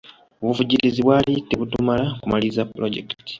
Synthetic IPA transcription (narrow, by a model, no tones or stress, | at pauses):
oβuvuɟiɾiziβwaːlitːeβutumalakumalizapɾoɟḛktti̥